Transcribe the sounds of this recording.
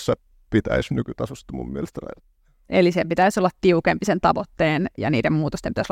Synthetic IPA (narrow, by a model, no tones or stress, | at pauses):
sːæ | pit̪æ̰isnykyt̪ɑsust̪ːumṵmmielest̪ænæ̰il | ʔelisempit̪æisolːɑt̪t̪iukempisent̪ɑʋot̪ːeːnjɑ̰niːdemmuːt̪ost̪empitæsol